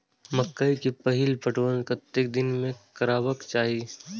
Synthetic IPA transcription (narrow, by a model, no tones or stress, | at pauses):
mɐkːəikipɐɦɪlpɐʈonkɐt̪ːek̚d̪ɪnmẽkɐɾaːʋəkt͡ʃaːɦi